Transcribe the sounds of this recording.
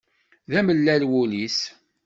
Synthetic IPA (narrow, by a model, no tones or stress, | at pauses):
ðæməlːælwʊlis